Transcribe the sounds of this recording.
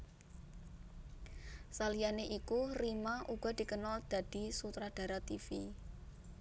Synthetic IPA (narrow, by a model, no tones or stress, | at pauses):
salijaneʔikurimaʔuɡ̥ɔ̤d̪̥i̤kənɔd̪̥a̤d̪̥i̤sut̪ɾad̪̥a̤ɾat̪ifi